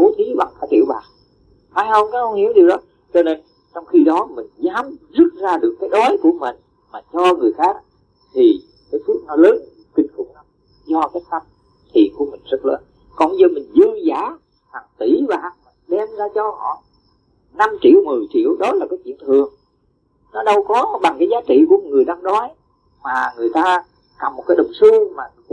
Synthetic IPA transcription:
o˧˦t̪ʰi˨˦ɓa˨˩ŋkaː˧˦jt͡ɕḭ˧˩əwɓaː˨˩ | haː˧˦jhə˧wŋ͡mkaː˨˦jkʔə˧wŋ͡mhi˧˩əwɗi˨˩əwɗɔ˨˦ | t͡ɕɔ˧ne˧n | t͡ɕɔ˧wŋ͡mxi˧ɗɔ˨˦mï˨˩ŋ̟zaː˨˦mzu˦˥t̚zaː˧ɗɨ˨˩əkːaː˨˦jɗɔ˨˦jku˧˩əmï˨˩ŋ̟ | maː˨˩t͡ɕɔ˧ŋɨ˨˩əjxaː˦˥k̚ | t̪ʰi˨˩ | kaː˨˦jsu˦˥ək̚nɔ˨˦ləː˨˦n˨˩˨kï˧ŋ̟tṵ˧˩˦na˨˦m | zɔ˧kaː˨˦jt̪a˧m | t̪ʰḭ˨˩ənku˧˩əmï˨˩ŋ̟zə˦˥t̚ləː˨˦n | kɔ̰˧˩n˧zə˧mï˨˩ŋzɨ˧zaː˧˩˦ | ha˨˩ŋt̪i˧˩vaː˨˩˨ŋ˨˩ɗɛ˧mzaː˧t͡ɕɔ˧hɔ̰˧˩˨ | na˧mt͡ɕḭ˧˩əwmɨ˨˩əjt͡ɕḭ˧˥əwɗɔ˨˦laː˨˩kaː˨˦jt͡ɕwḭ˧˨əŋt̪ʰɨ˨˩əŋ | nɔ˨˦ɗə˧wkɔ˨˦ɓa˨˩ŋkaː˨˦jzaː˨˦t͡ɕḭ˧˨ku˧˩ə˨˩ŋɨ˨˩əjɗaː˧ŋɗɔ˨˦j | maː˨˩ŋɨ˨˩əjt̪aː˧ | ka˨˩mo˨˩t̚kaː˨˦jɗə˨˩wŋ͡msɨ˧maː˨˩

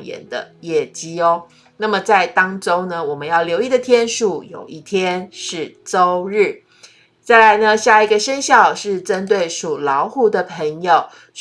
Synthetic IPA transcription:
jɛ̰˨˩nd̪ə̰˦jɛ˥˩t͡ɕi˥o˦ | na˥˩mə˩t͡sa˥˩ɪt̪ɑ˦ŋʈ͡ʂo˥ʊnə˨wɔ˨˩mə˦njɑ˥˩ʊljo˧˥ʊi˥˩d̪ə˨˩t̪ʰjɛ˥nʂu˨˩jo̰˨˩ʊʔi˥˩t̪ʰjɛ˦nʂɻ̩˥˩ʈ͡ʂo˥ʊɻ̩˥˩ | t͡sa˥˩ɪla˧˦ɪnə˧ɕja˥˩i˧˥ɡə˧ʂə˥nɕjɑ˥˩ʊʂɻ̩˥˩ʈ͡ʂə˦nt̪we˥˩ɪʂu˨˩lɑ˧˥ʊxu˥˧˩d̪ə˨pʰə˧˥ŋjo˨ʊ

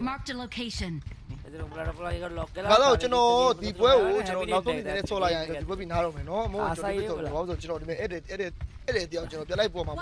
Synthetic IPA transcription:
maɹk̚tɨ̃loʊkʰeɪʃɨ̃n | ɡa˨za˦˨o˨t͡ɕə˨nɔ˨d̪i˨pwɛ˦ɡo˨t͡ɕə˨nɔ˨na˨ʔsõ˦˨˦i˨nɛ̃˨nɛ˦˨sʰɔ˨la˨jã˨d̪i˨wɛ˦pi˦˨na˦ɾõ˦˨mɛ˨nɔ˦ʔə˦mõ˦˨ɔ˨˦pe˦˨˦sʰɔ̃˨a˨bã˦sʰɔ˨t͡ɕə˨nɔ˨i˨mɛ˦ʔɛ˦˨ɛ˦˨ | ɛ˦dɛ˨i˨jã˨t͡ɕə˨nɔ˨pjã˨la˦ɪp̬wɔ˨ma˨

